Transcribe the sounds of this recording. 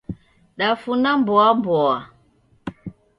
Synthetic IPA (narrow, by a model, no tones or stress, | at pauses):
ɗafunambɔambɔwa